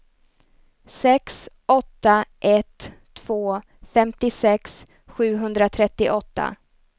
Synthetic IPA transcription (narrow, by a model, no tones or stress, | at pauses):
sɛks | ɔt̪ːaʔɛt̪ʰː | v̥oː | fɛmt̪ɪsɛks | ɧʉ̟ːɦɵnd̪ɾat̪ʰɾɛt̪ːɪʔɔt̪ːa̰